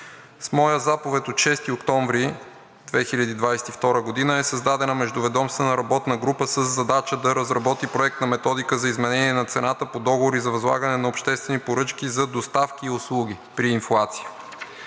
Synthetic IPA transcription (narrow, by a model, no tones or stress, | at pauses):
smɔjəzapovɛt̪ʲot̪ʃɛst̪iokt̪ɔɱvɾi | d̪vɛxiʎʲɐd̪iːd̪vajsɛ̥t̪ift̪ɔɾəɡod̪inəɛsɐzd̪ad̪ɛnəmɛʒd̪ʊvɛd̪ɔmst̪vɛnəɾɐbɔt̪nəɡɾupəsəzːɐd̪at͡ʃəd̪ɐɾɐzɾɐbɔt̪ipɾoɛk̚t̪nɐmɛt̪ɔd̪ikəzɐizmɛnɛniɛnɐt̪sɛnat̪əpod̪ɔɡovoɾizɐvɐzlˠa̰ɡənɛnɐopʃt̪ɛst̪vɛnipoɾɤt͡ʃkʲizɐd̪ost̪afkʲiːʊslˠuɡ̟i | pɾiːnflˠat̪si̥jə